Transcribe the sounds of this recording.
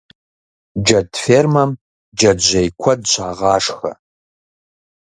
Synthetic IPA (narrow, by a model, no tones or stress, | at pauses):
d͡ʒɐdfermɐm | d͡ʒɐdd͡ʒʷejkʷʰɐdt͡ʃʷʰaːʁɑːʂxɐ̰